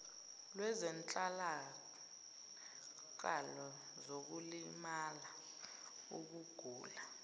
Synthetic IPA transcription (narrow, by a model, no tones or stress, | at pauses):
lwɛzɛnt͡ɬʼala | ǃa̰lɔ | zok̬ulimala | ṵk̬uɡ̥ʱuːla